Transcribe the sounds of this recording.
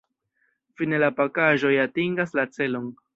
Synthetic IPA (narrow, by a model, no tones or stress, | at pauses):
fine̞lapakaʒo̞jatiŋɡaslat͡se̞lo̞n